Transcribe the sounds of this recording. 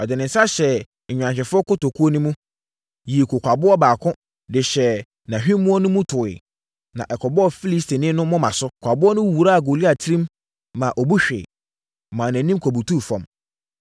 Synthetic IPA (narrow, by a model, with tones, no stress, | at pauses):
ɔ˨dɪ˨nɪ̃˨n̩sa˦ɕɛ˨ | ɲᶣ˨ã˨ɕ̬ɛ˨fʊ˦ɔ˦kʊ˦to˨kʰu˦ɔ˦nʊ̃˦mũ˦ | jiː˨kʰʊ˨kʷa˨bʊ˦ɔ˦baː˨kʰʊ̃˦ | dɪ˨ɕɛ˨ | nã˨ɦᶣi˦mũ˦ɔ˦nʊ̃˦mũ˦tʰʊ˨ɪ̰˨ | nã˨ʔɛ˨kʰɔ˨bɔ˦ɔ˨fi˦li˦stʰi˨nɪ̃˦nʊ̃˦mɔ̃˦mã˨sʊ˦kʷʰa˨bʊ˦ɔ˦nʊ̃˦wu˨ɾa˦˨ɡo˨li˦a˨tʰɪ˦ɾĩ˦mː | ã˨ʔɔ˨bu˦ɕᶣḛː˨ | mãː˨næ̃˨nĩ˦m˦kʰo˨bu˨tʰuː˦˨fɔ̰̃˨m